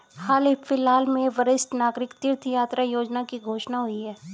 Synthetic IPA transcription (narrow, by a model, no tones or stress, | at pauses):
haːlɪfɪlɦaːlmẽʋəɾɪsʈnaːɡɾɪkt̪ɪɾt̪ʰjaːt̪ɾajoːd͡ʒnakiɡʱoːʃnaɦʊiɦɛː